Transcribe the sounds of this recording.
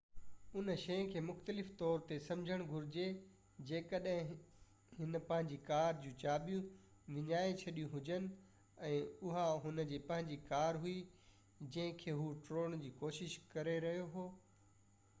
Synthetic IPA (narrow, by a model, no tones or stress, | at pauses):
ʊnʃɐj̃kʰeːmʊxt̪əlɪft̪ɔːɾt̪esɐ̃md͡ʑʱəɽ̃ɡʱʊɾɪd͡ʑe | d͡ʑeːkəɗɦɪ̃ | ɦɪnpɐ̃ɦɪ̃ɲ̆d͡ʑikaːɾd͡ʑũːt͡ɕaːɓijũ | ʋɪɲaːet͡ɕʰɐɗijũɦʊd͡ʑənɪ̆ | ɛ̃ːʊɦaɦʊnə̆d͡ʑiːpɐ̃ɦɪ̃ɲd͡ʑikaːɾɦʊi | d͡ʑɐ̃ɦɪ̃kʰeːɦuʈɾoːñd͡ʑiːkoːʃɪʃkɐɾeɾɐɦijoɦoː